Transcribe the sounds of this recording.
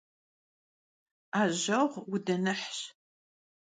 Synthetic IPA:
aːʑɐʁʷwʊdɐnɨħɕ

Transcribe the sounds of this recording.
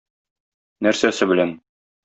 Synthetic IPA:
næɾsæsɘbɘ̆læn

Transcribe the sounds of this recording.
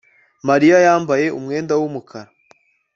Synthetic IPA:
maɾijajaːmbaje̞ʔṵmŋe̞ːndawumukʰaɾa

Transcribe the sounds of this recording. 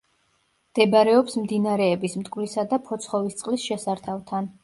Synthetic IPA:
md̪̥ɛbaɾɛɔpsmd̪inaɾɛːbismt̪ʼkʼvlisad̪apʰɔt̪sʰχɔvist̪sʼqʼlisʃɛsaɾt̪ʰavt̪ʰan

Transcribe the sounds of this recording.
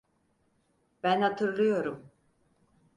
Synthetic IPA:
b̥ænhat̪ʰɯɾlˠɯjo̞ɾum

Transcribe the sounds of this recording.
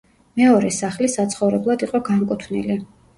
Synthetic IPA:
mɛɔɾɛsaχlisat̪sʰχɔvɾɛblˠad̪iqʼɔɡaŋkʼut̪ʰnḭli

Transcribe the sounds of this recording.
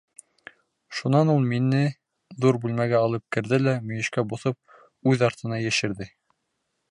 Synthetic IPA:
ʃunɑnulˠminɘ | ðuɾbʉlmæɡæɑlˠɤp̚kɘ̆ɾðɘlæmɵ̆jɘ̆ʃkæboθɤp̚ | ʉðɑɾt̪ɤ̆nɑjæʃɘ̆ɾðɘ

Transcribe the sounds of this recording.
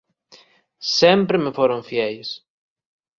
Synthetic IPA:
sempɾɪmefoɾõɱfjɛjs

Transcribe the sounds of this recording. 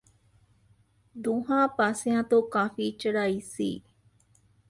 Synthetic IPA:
d̪uɦaːpasiãt̪ukafiːt͡ʃːɐɽaːisḭː

